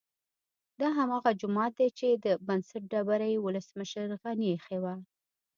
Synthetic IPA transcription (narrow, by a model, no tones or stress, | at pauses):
d̪ɑɦamɑɣad͡ʒʊmɑt̪̚d̪et͡ʃed̪əbansaʈ̚ɖabaɾajwʊləsməʃəɾɣanixewa